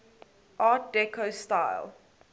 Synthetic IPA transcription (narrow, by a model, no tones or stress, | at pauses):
ʔɑːt̚dɛkʰostaɪlˠ